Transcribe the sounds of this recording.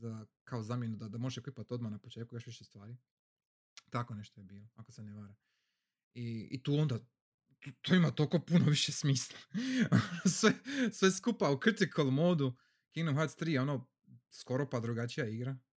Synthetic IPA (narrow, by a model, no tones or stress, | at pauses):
zakaozamje̞nud̪ad̪amo̞ʒʃeplipat̪o̞d̪manapot͡ʃet̪kujo̞ʃʋiʃest̪ʋaːɾi | t̪ako̞ne̞ʃt̪ojebiːloakoseneʋaɾa | iḭt̪uːond̪a | t̪oimat̪olkopunoʋiʃesmiːslˠaonosʋesʋeskupaukr̩t̪ikʰolmoːd̪u | kiɡnuɦat̪st̪ɾiːjo̞no | sko̞ɾopad̪ɾuɡat͡ʃijaiɡɾa